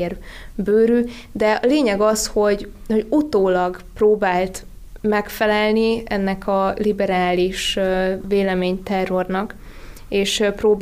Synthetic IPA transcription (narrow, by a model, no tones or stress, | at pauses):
erbøːɾy | d̪ɛɒleːɲɛɡɒsho̞ɟ | ho̞ɟut̪oːlɒɡproːbaːlt̪ | mɛkfɛlɛlniɛ̰nːɛkʰɒlibɛɾaːliʃveːlɛmeːɲt̪ɛrːo̞rnɒk | eːʃproːb